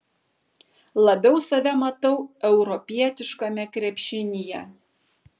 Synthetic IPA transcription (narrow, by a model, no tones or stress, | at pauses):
lˠɐbʲɛʊsɐʋʲɛmɐt̪ɐʊɛʊɾɔpʲiɛt̪ʲɪʃkɐmʲɛkɾʲɛpʲʃʲɪnʲɪjɛ